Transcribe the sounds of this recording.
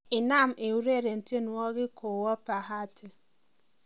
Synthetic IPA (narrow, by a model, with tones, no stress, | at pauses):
ɪ˨na˦˨m̩˨ʔe˨wu˦ɾe˦˨ɾe˨n̩˨te˦nu˨ɔ˦ɣɪ˦kʰo˨wɔ˦pa˨ɦa˦˨tʰɪ˦